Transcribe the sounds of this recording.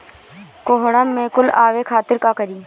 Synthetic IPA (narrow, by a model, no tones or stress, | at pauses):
koɦɽamːẽːkʊlaːʋekʰaːt̪ɪɾkakɐɾiː